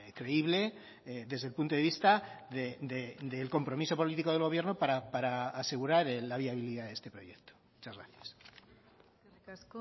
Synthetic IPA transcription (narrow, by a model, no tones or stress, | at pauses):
kɾe̞iβle̞ | ðe̞zðe̞lpunt̪o̞ðe̞βist̪aðed̪ed̪elko̞mpɾo̞miso̞po̞lit̪iko̞ð̞e̞lɣ̞o̞β̞je̞ɾnopaɾapaɾaːse̞ɣ̞uɾaɾelːaβ̞iaβiliðaðest̪e̞pɾo̞̰jek̚t̪o̥mut͡ʃazɣɾa̰θjas